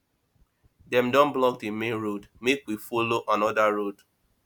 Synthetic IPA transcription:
dɛ̃mdɔ̃nblɔk̚demẽnɹodmekwifoloʔãnɔdaɹod̥

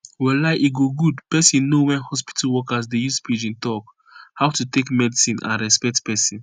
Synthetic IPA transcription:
wɛlaɪʔiɡoɡudpɛsĩnnowɛ̃nhɔspi̥tʰalwɔkasdejuspid͡ʒĩntɔk | haʊtutekmɛdisĩnã̰nɹɛspɛk̚tpɛsĩn

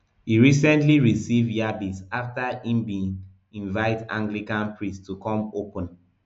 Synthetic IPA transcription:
hiɹisɛ̃ntliɹisivdjabitsaftaĩmbĩn | ĩnvaɪtã̰ŋɡlikãnpʰɹĩstukɔ̃mopə̃n

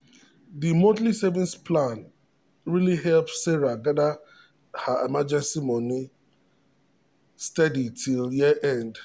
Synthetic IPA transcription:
ðimõtlisɛvĩnspʰlãn | ɹiliɦɛlpssɛɹaɡada | haʔemad͡ʒɛ̃nsimɔni | stɛditʰiljiəʔɛ̃nd

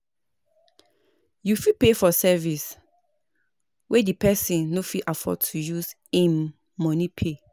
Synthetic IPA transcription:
jufipefɔsɛvis | wʔɛdipɛsĩnːofiʔafɔ̰tʰujus | ẽmː | ɔ̃nipʰe

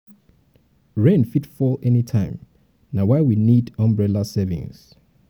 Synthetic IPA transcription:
ɹẽnfitfɔlɛnitʰãɪ̃m | nawaɪwinidãmbɹɛlasɛvḭ̃ŋs

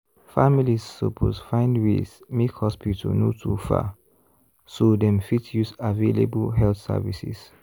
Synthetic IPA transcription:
familissopʰosfãɪ̃ndwḛsmikhɔspitʰə̰notʰufa̰ | sodɛ̃mfitjusavelebəlɦɛlθsɛ̰visḭs

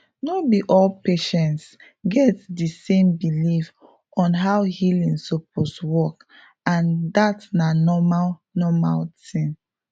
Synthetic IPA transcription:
nobiʔɔlpeʃɛ̃nts | ɡɛtdəsẽmbilif | ɔ̃nɦawhilĩŋsop̚ʰoswɔk | ãndatnanɔmalnɔma̰ltĩn

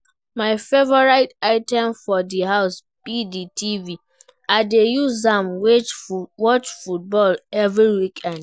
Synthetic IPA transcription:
maɪfevɔɹaɪtaɪtɛ̃mfɔdiɦaʊspiditʰivi | aɪdejuzzãmwet͡ʃwɔt͡ʃfut̚bɔlɛvɹiwikʰãn

